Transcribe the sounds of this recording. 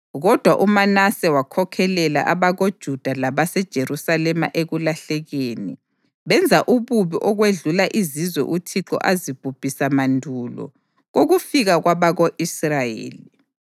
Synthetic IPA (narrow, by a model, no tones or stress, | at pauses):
ɣɔd̥ʱwaʔumanasɛwakʰɔkʰɛlɛla̰ʔaβaɣod̥ʒ̥ʱud̥ʱalaβasɛd̥ʒ̥ʱeɾusalɛma̰ʔeɣulaɬɛɣenḭ | βɛnd͡zʱaʔuβuβiʔɔɣweɮulaʔizizwɛ̰ʔutʰiǁɔ̰ʔazib̥ʱub̥ʱisamandʱulɔ̰ | ɣoɣufiɣaɣwaβaɣoʔisrajḛːli